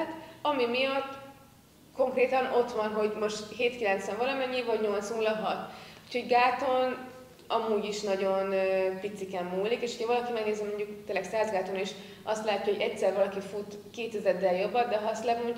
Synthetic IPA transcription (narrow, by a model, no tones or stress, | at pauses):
t̪ɒmimijɒt̪ː | ko̞ŋkreːt̪ɒno̞t̪ʋɒnɦo̞ɟmo̞ʃt̪ɦeːt̪kilɛnt̪sɛɱvɒlɒmɛɲːivɒɟɲo̞lt̪snuːlɒɦɒt̪uːcʰho̞ɟɡaːt̪o̞n | ɒmuːɟiʃnɒɟo̞npit̪sikɛmːuːlikeːʃucʰɒvɒlɒkimɛɡneːzɛmːo̞ɲɟukt̪eːlːɛksaːzɡaːt̪oniʃ | ɒst̪laːcːɒoɟɛcsɛrvɒlɒkifut̪keːt̪ɛzɛd̪ːɛljo̞bːɒd̪d̪ɛɦɒst̪lɛmoɲ